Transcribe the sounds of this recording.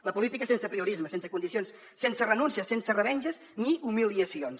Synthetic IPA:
ləpulit̪ikəsensəpɾiuɾizməsensəkund̪isionsːensərənunsiəsːensərəβɛɲʲʒəzniʔumiliəsions

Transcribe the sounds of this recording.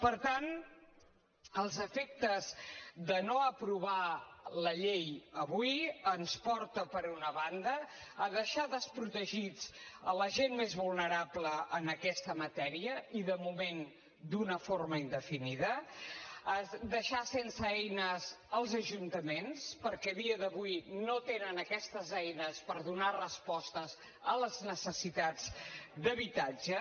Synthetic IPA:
pəɾt̪an | əlˠzəfek̚t̪əzðənoəpɾuβ̞aləʎejəβujənspɔɾt̪əpəɾunəβand̪əːðəʃaðəspɾut̪əʒid͡zələʒenmezβulˠnəɾapləʔːnəkɛst̪əmət̪ɛɾiəiðəmumen | d̪unəforməind̪əfiniðə | əd̪əʃasensəɛjnəzəlˠzəʒunt̪əmenspəɾkɛðiəðəβujnot̪enənəkɛst̪əzɛjnəspəɾðunarəspɔst̪əz | ələznəsəsit̪ad͡zd̪əβit̪ad͡ʒə

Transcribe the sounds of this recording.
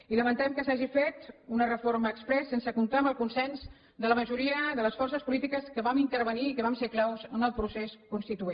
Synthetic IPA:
iləmənt̪ɛmkəsaʒifet̪unərəforməːkspɾɛsːensəkunt̪aəmbəlˠkunsɛnz | d̪ələməʒuɾiəðələsfɔrsəspulit̪ikəskəβamint̪əɾβəniːkəβamseklawzənəlˠpɾuseskunst̪it̪ue

